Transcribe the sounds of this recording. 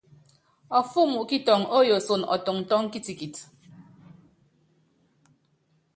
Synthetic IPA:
ɔ˨fu˦mu˨ʔki˦tɔ˨ŋo˦jo˨so˨nɔ̰˨tɔ˨ŋn̩˨tɔ˦ŋ˦ki˦ti˨ki˨t

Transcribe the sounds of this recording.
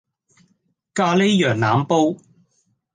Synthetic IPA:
kaː˧le˥jjœː˨˩ŋnaː˨˥mpo˥w

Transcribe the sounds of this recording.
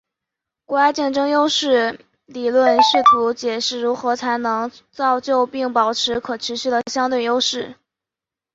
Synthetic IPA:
kwɔ˧˥a˥ɪt͡ɕjɛ˥˩nʈ͡ʂɤ˥ŋjo˥ʊʂɻ̩˥˩ | li˨˩lwə˥˧nʂɻ̩˥˩t̪ʰu˧˥t͡ɕjɛ˨˩ʂɻ̩˥˩ɻu˧˥xɤ˧˥t͡sʰa˧˥ɪnɤ˧˥ŋt͡sɑ˥˧ʊt͡ɕjo˥˧ʊpi˥˩ŋpɑ˨˩ʊʈ͡ʂʰɻ̩˧˥kʰɤ˨˩ʈ͡ʂʰɻ̩˧˥ɕy˥˩d̪ə˩ɕjɑ˥ŋt̪we˥˩ɪjo˥ʊʂɻ̩˥˩

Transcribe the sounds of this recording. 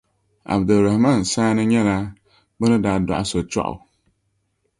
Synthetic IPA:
a̰˨bdɨ˨ɾa˨hma˦˨n̩˨saː˦nɨ˦ɲɛ˦laː˦ | bɨ˦nɨ˦daː˨˦dɔ̰˨ʔa̰˦so˨t͡ʃɔ̰˦ʔʊ̰˨

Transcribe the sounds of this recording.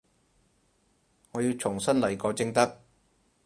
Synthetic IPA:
ŋɔː˨˧jiː˧wt͡ʃʰʊ˨˩ŋsɐ˥nlɐ˨˩jkɔː˨˧wt͡sɪ˧ŋt̪ɐ˥k̚

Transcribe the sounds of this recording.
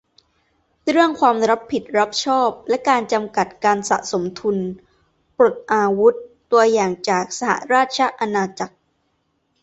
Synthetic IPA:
ɾɯ˥˩əŋkʰwaː˧mɾa˦˥pʰːi˨˩t̪̚ɾa˦˥p̚t͡ɕʰɔː˥˩p̚lɛ˦˥kaː˧nt͡ɕa˧mka˨˩t̪̚kaː˧nsa̰˨˩ʔso˩˦mt̪ʰu˧n | pɾo˨˩t̪̚ʔaː˧wu˦˥t̪ːu˧ɐjaː˨˩ŋt͡ɕaː˨˩k̚sa˧ha̰˨˩ɾaː˥˩t̪̚t͡ɕʰa˦˥ʔa˧naː˧t͡ɕa˨˩k̚

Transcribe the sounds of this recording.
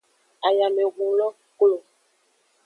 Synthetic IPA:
a˨ja˨mɛ̃˨ɡ͡bũ˨lɔ˦ | klo˨

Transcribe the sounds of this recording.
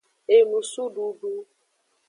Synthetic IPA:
e˨nu˨su˦ɖu˦ɖu˦

